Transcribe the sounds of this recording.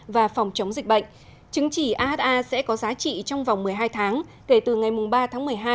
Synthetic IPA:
vaː˨˩fɔ˨˩wŋ͡mt͡ɕə˨˦wŋ͡mzï˨˩k̟̚ɓə̰˧˨ŋ̟ | t͡ɕɨ˨˦əŋt͡ɕi˧˩ʔaː˧ʔa˦˥t̪̚ʔaː˧sɛ̰˧˥kɔ˨˦zaː˨˦t͡ɕḭ˧˨t͡ɕɔ˧wŋ͡mva˨˩wŋ͡mmɨ˨˩əjɦaː˧jt̪ʰaː˨˦ŋke˧˩t̪ɨ˨˩ŋa˨˩jmʊ˨˩ŋ͡mɓaː˧t̪ʰaː˨˦ŋmɨ˨˩əjɦaː˧

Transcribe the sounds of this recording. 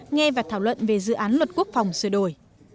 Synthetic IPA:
ŋɛ˧vaː˨˩t̪ʰaː˧˩wlwə̰˧˨nve˨˩zɨ̰˧˨ʔaː˨˦nlwə˨˩t̚ku˦˥ək̚fa˨˩wŋ͡msɨ˧˩ɗo˧˩j

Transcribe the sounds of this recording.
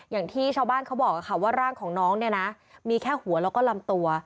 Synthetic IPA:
jaː˨˩ŋt̪ʰiː˥˩t͡ɕʰaː˥˧baː˥˩nkʰa˦˥wbɔː˨˩k̚ʔa˨˩xʰa˧˩waː˥˩ɾaː˥˩ŋkʰɔː˩˦ŋnɔː˦˥ŋni˥˩ɐna˦˥ | miː˧kʰɛː˥˩hu˩˦ɐlɛː˦˥wkɔː˥˩la˧mt̪u˧ɐ

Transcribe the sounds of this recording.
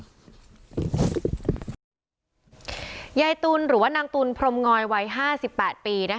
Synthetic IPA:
ja˧jt̪uː˧nɾɯː˨˩˦waː˥˩naː˧ŋt̪uː˧npʰɾo˧mŋɔː˧jwa˧jɦaː˥˩si˨˩pːɛː˨˩t̪̚piː˧na˦˥

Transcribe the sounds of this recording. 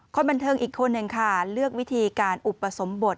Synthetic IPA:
kʰɔː˧˥nba˧nt̪ʰɤː˧ŋʔiː˨˩kʰːo˧nːɯ˨˩ŋkʰa˥˩lɯ˥˩ək̚wi˦˥t̪ʰiː˧kaː˧nʔu˨˩pːa˧so˩˦mbo˨˩t̪̚

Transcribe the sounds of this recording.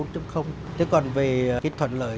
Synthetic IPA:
nt͡ɕə˧xə˧wŋ͡m | t̪ʰe˨˦kɔ˨˩nve˨˩kaː˨˦jt̪ʰwə̰˧˨nlə̰ː˧˨

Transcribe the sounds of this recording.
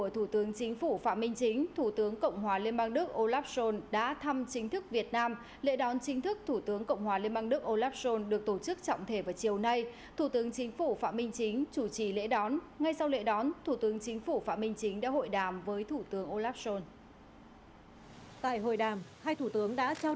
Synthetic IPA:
ku˧˩ət̪ʰu˧˩t̪ɨ˨˦əŋt͡ɕï˨˦ŋ̟fu˧˩fa̰ː˧˥mï˧ŋ̟t͡ɕï˨˦ŋ̟t̪ʰu˧˩t̪ɨ˨˦əŋkə̰˧˨wŋ͡mɦwaː˨˩li˧ənɓaː˧ŋɗɨ˦˥ək̚ʔo˧laː˦˥p̚so˧nɗa̰ː˧˥t̪ʰa˧mt͡ɕï˨˦ŋ̟t̪ʰɨ˦˥k̚vi˨˩ət̚naː˧m | lḛ˧˥ɗɔ˨˦nt͡ɕï˨˦ŋ̟t̪ʰɨ˦˥k̚t̪ʰu˧˩t̪ɨ˨˦əŋkə̰˧˨wŋ͡mhwaː˨˩li˧ənɓaː˧ŋɗɨ˦˥ək̚ʔo˧laː˦˥p̚so˧nɗɨ˨˩ək̚t̪o˧˩t͡ɕɨ˦˥k̚t͡ɕɔ̰˧˨wŋ͡mt̪ʰe˧˩vaː˨˩wt͡ɕi˨˩əwna˧j | t̪ʰu˧˩t̪ɨ˨˦əŋt͡ɕï˨˦ŋ̟fu˧˩fa̰ː˧˨mï˧ŋ̟t͡ɕï˨˦ŋ̟t͡ɕu˧˩t͡ɕi˧˩lḛ˧˥ɗɔ˨˦n | ŋa˧jsa˧wlḛ˧˥ɗɔ˨˦nt̪ʰu˧˩t̪ɨ˨˦əŋt͡ɕï˨˦ŋ̟fu˧˩fa̰ː˧˥˩mï˧ŋ̟t͡ɕi˨˦ŋ̟ɗa̰ː˧˥ɦo̰˧˨jɗaː˨˩mvəː˨˦jt̪ʰu˧˩t̪ɨ˨˦əŋʔo˧laː˦˥p̚so˧n | t̪a̰ː˧˨jɦo̰˧˨jɗaː˨˩mhaː˧jt̪ʰu˧˩t̪ɨ˨˦əŋɗa̰ː˧˥t͡ɕaː˧

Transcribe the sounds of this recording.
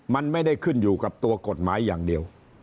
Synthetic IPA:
ma˧nma˥˩jda˥˩jkʰɯ˥˩njuː˨˩ka˨˩p̚t̪u˧ɐko˨˩t̪̚maː˩˦˥jːaː˨˩ŋdi˧əw

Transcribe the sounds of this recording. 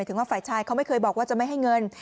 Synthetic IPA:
t̪ʰɯ˩˦ŋwaː˥˩faː˨˩jt͡ɕʰaː˧jkʰa˥wma˥˩jkʰɤː˧jbɔː˨˩k̚waː˥˩t͡ɕa˨˩ma˥˩jɦa˥˩jŋɤ˧n

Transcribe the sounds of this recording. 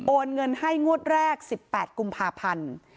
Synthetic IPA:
ʔoː˧nŋɤ˧nha˥˩jŋu˥˩ət̪̚ɾɛː˥˩k̚si˨˩pːɛː˨˩t̪̚ku˧mpʰaː˧pʰa˧n

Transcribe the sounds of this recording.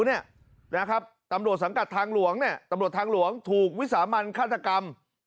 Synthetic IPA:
ni˥˩ɐ | n˦˥kʰɾa˦˥p̚t̪a˧mɾu˨˩ət̪̚sa˩˦ŋka˨˩t̪ʰːaː˧ŋlu˩˦əŋni˥˩ɐt̪a˧mɾu˨˩ət̪ʰaː˧ŋlu˨˩˦əŋt̪ʰuː˨˩k̚wi˦˥t̪saː˩˦ma˧nkʰaː˥˩t̪ʰːa˧ka˧m

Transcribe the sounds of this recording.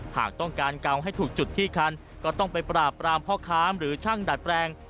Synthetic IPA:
ha̰ː˨˩k̚t̪ɔ˥˩ŋkaː˧nka˧wɦa˥˩jt̪ʰuː˨˩k̚t͡ɕu˨˩t̪ʰːiː˥˩kʰa˧n | kɔː˥˩t̪ɔ˥˩ŋpa˧jpɾaː˨˩pːɾaː˧mpʰɔː˥˩kʰaː˦˥mɾɯː˩˦t͡ɕʰa˥˩ŋda˨˩t̪̚pɾɛː˧ŋ

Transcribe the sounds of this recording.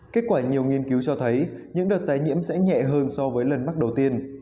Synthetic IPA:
keː˦˥t̚kwaː˧˩ɲi˨˩əwŋi˧ənki˨˦wt͡ɕɔ˧t̪ʰə˨˦jɲɨ̰˧˥ŋɗəː˨˩t̚t̪aː˨˦jɲḭ˧˥əmsɛ̰˧˥ɲɛ̰˧˨ɦəː˧nsɔ˧vəː˨˦jlə˨˩nma˦˥k̚ɗə˨˩wt̪i˧ən

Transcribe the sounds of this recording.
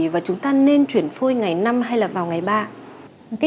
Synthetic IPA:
vaː˨˩t͡ɕʊ˨˦ŋ͡mt̪aː˧ne˧nt͡ɕwi˧˩ənfo˧jŋa˨˩jna˧mɦa˧jlaː˨˩vaː˨˩wŋa˨˩jɓaː˧ | ka˨˦

